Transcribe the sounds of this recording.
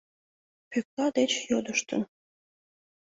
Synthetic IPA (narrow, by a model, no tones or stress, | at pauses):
pyk̚lɑd̪et͡ɕjod̪əʃt̪ə̰n